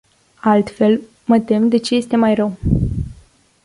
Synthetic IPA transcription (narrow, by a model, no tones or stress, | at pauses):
alt̪fe̞l | mət̪e̞md̪e̞t͡ʃe̞je̞st̪e̞majrəw